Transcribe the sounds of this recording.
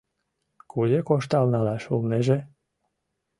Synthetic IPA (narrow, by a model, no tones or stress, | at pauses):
kudʲekoʃt̪alnalaʃulneʒe